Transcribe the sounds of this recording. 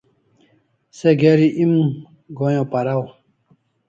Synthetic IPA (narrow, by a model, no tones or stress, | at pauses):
seɡeɾiʔim | ɡojõpaɾaw